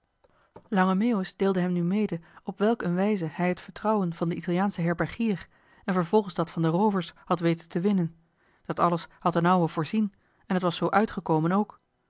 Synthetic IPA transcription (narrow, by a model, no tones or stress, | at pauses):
lɑŋəmeʊsd̥eːlˠdəɦɛmnymejdəɔpʋɛlˠkənʋɛjzəhɛjɦətfəɹtrɑwənv̥ɑndəitɑlˠijaːnsəɦɛɹbɛɹχiːr | ɛnvəɹv̥ɔlˠχənzdɑtfɑndərowvəɹshɑtʋejtəntəʋɪnən | d̥ɑtɑləshɑtənʌwəvʊːɹzin | ɛnɦətʋɑsowʔœɥtχəkowmənowk